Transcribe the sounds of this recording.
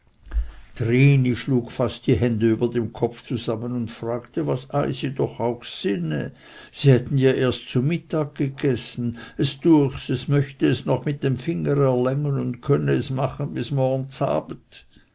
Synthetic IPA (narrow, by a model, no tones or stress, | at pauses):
tʁiːniʃluːkfastd̥iɦɛndəyːbɐdemkʰɔpft͡suz̥amənʊntfraːktəvasaɪsid̥ɔχaʊxsɪnə̰ | z̥iːhɛtn̩jaːʔeːɐstt͡sumɪtaːɡ̚ɡ̥əɡ̥ɛsn̩ɛsd̥ʊɐçsɛsmœçtəɛsnɔχmɪt̚d̥emfɪŋəʁɛɐlɛŋənʊndkʰœnəɛsmaχən̩bɪsmɔɐɡn̩t͡sa̰ːb̥n̩t